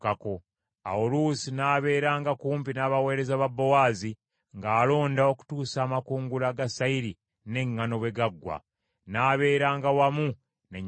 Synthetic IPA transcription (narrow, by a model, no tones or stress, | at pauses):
kako | a̰ulusinaːβe̞ːɾaːŋɡakuːmpinaβawe̞ːɾe̞zaβabːowaːzi | ŋɡaːlo̞ːndao̞ku̥tuːsaːmakuːŋɡulaɡasaiɾi | ne̞ŋːano̞βweɡaɡːwa̰ | naːβe̞ːɾaːŋɡawamu | neɲ